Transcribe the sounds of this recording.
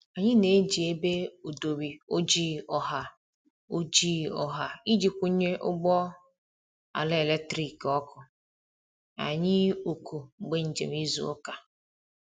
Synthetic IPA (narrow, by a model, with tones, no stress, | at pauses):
a˨ɲɪ˦ne˨˦d͡ʒi˨e˦be˦o˨do˨bi˨o˦d͡ʒi˦ɔ˨ɦa˨ | o˦d͡ʒi˦ɔ˨ɦa˨i˦d͡ʒi˨kʷu˦ɲe˦ʔʊ̰˦ɡ͡bɔ˦ | a̰˨lɪ˦e˨le˦tɾi˨kɔ˦kʰʊ˨ | a̰˨ɲɪ˦o˨ku˨ɡ͡be˦n̩˨d͡ʒḛ˨m˦i˦zṵ˨ʊ˦ka˨